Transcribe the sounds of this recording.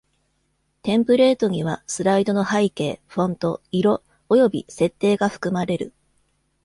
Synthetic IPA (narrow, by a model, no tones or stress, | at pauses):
t̪ẽ̞mpɯ̟ɾe̞ːt̪o̞ɲ̟iβ̞asɨɾaid̪o̞no̞haike̞ːɸõ̞nt̪o̞iɾo̞ː | jo̞bʲḭse̞t̪ːe̞ːɡaɸɯ̟̥kɯ̟maɾe̞ɾɯ̟̰